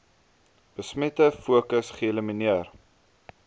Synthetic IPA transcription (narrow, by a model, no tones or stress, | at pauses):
b̥əsmɛtəfuəkəsχiələməniər